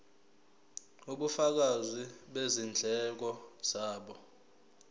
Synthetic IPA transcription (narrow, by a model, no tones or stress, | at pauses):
uɓufak̬aziɓezind͡ɮʱɛk̬ɔz̥aːɓɔ